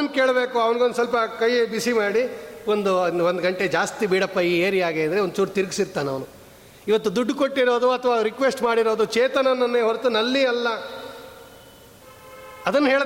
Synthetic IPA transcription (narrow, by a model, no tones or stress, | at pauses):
ɐnkeːɭɐbeːkuɐʋɐnɡond̪sɐlp̬ɐkɐjbisimaːɽiond̪uʋond̪ɡɐɳʈed͡ʒaːst̪ibiːɽɐpːɐjieːɾiaːɡeːɐnd̪ɐɾeond̪ut͡ʃuːɾt̪iɾɡsiɾt̪ːanɐʋɐnu | iʋɐt̪ːud̪uɖːkoʈːiɾo̞ːd̪uɐt̪ʰɐʋaːɾikʋesʈmaːɽiɾo̞ːd̪ut͡ʃeːt̪ɐnɐnːɐnːeɦoɾt̪unɐlːiɐlːɐ | ɐd̪ɐnːɦeːɭ